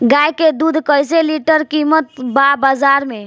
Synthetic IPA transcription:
ɡajked̪ud̪ʱkəjseliʈəɾkimət̪babazaɾme

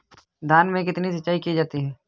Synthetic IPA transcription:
d̪ʱaːnmẽk̬ɪt̪nisɐtːt͡ʃːaːikid͡ʒaːt̪iɦɛː

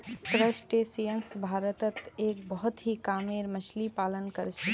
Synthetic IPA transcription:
t̪ɾəsʈesijənsbʱaɾət̪ət̪ek̚bəɦut̪ɦikameɾmət͡ʃʰlipalənkəɾt͡ʃʰɛ

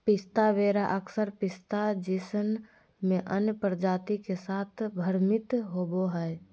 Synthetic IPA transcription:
pɪst̪aʋeːɾaʔəksəɾpɪst̪ad͡ʒiːsən | mẽʔənjəpɾd͡ʒaːt̪ikesaːt̪ʰbʱəɾmɪt̪ɦoːboɦɛ

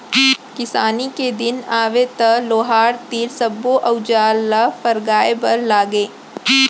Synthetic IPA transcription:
kɪsaːniked̪ɪnaːʋet̪ɐloːɦaːɾt̪iːɾsɐbːoʔɐʊd͡ʒaːlːafɐɾɡaːebɐɾlaːɡeː

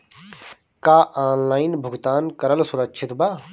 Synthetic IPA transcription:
kaːʔaːnlaːɪnbʱʊɡt̪aːnkɐɾəlsʊɾɐkʃʰɪt̪baː

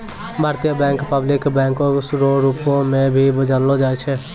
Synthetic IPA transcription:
bʱaːɾt̪ijəbɛ̃ːŋkpəblɪkbɛ̃ːŋkõsɾoɾupõmẽbʱibəd͡ʒanlod͡ʒaːɛt͡ʃʰɛ

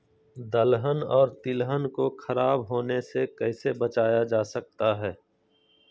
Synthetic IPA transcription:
d̪əlɦənɔːɾt̪ɪlɦənkoxʰɐɾaːbɦoːnesekɛɪsebɐt͡ʃaːjad͡ʒaːsɐk̚t̪aɦɛː

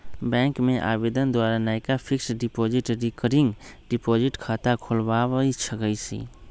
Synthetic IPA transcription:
bɛ̃ːŋkmẽʔa̰ːbeːd̪ənd̪waːɾanaːɪkapʰɪksɖɪpoːd͡ʒɪʈɾɪkəɾɪ̃ŋɡɖɪpɔːd͡ʒɪʈkʰaːt̪akʰʊlbaːwit͡ʃʰəɡəisḭː

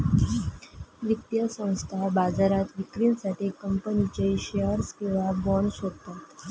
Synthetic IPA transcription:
ʋək̚t̪jəsə̃w̃st̪ʰabad͡zaɾat̪ʋikɾiːnsaʈʰiːkəmpənit͡ɕeɕeəɾskĩw̃ʋabɔɳsɦot̪at̪

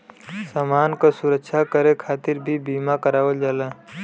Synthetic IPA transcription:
samaːnkosʊɾəkʃʰakəɾekʰaːt̪ɪɾbʱibiːmakəɾaːʋəld͡ʒaːla

